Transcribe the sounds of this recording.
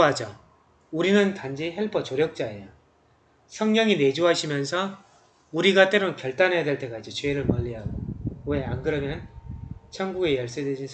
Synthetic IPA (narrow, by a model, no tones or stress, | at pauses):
ɦad͡ʑo | uɾinɯntand͡ʑiɦeɭpʰʌt͡ɕoɾjʌk̚t͡ɕ͈aejo | sʰʌŋɲʌŋine̞d͡ʑuɦaɕʰimjʌnsʰʌ | uɾiɡat͈e̞ɾokjʌɭt͈anɦe̞jadwe̞ɭt͈e̞ɡaid͡ʑet͡ɕeɾɯɭmʌʎːiɦaɡoweanɡɯɾʌɡenɯnt͡ɕʰʌŋɡuɡe̞jʌɭs͈edwed͡ʑin